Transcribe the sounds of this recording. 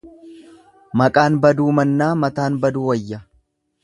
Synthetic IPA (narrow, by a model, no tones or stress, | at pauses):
mɐkʼaːnbɐd̪uːmɐnːaːmɐt̪aːnbɐd̪uːwɐjːɐ